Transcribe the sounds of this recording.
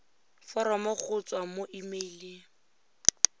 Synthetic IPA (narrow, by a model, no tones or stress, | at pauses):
fɔɾɔmɔk͡xʰʊt͡sʼwamoʔimelɪ